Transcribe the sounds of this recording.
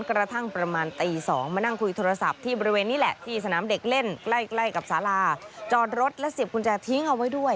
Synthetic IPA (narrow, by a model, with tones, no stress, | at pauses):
nkɾa˧t̪ʰa˥˩ŋpɾa˧maː˧nt̪iː˧sɔ̰ː˩˦ŋmaː˧na˥˩ŋkʰu˧jt̪ʰoː˧ɾa˧sa˨˩p̚t̪ʰiː˥˩bɔː˧ɾi˧weː˧nːiː˦˥lɛ˨˩ʔt̪ʰiː˥˩sa˧naː˩˦mde˨˩k̚le˥˩nkla˥˩jkla˥˩jka˨˩p̚saː˩˦laː˧t͡ɕɔː˧˩t̪̚ɾo˦˥t̪̚lɛ˦˥si˨˩əp̚kʰu˧nt͡ɕɛ˧t̪ʰi˦˥ŋʔa˧wa˦˥jdu˥˩əj